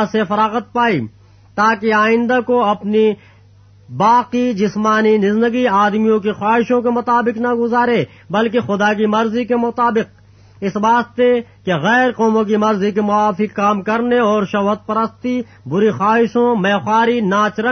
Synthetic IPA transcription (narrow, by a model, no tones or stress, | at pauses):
sefɐɾaːɣət̪̚paːi | t̪aːkeaːɪ̃nd̪akoɐpni | baːqid͡ʒɪsmaːninɪznd̪əɡiaːd̪mijõkexwaːɦɪʃõkemʊt̪aːbɪqnɐɡʊzaːɾeː | bɐlkexʊd̪aːk̬imɐɾzikemʊt̪aːbɪq̚ | ɪsbaːst̪ekeɣɛːɾqɔːmõk̬imɐɾzikemʊaːfɪkkaːmkɐɾneɔːɾʃɐɦət̪̚pɐɾəst̪i | bʊɾixaːɦɪʃõmɛːxwaːɾinaːt͡ʃɾə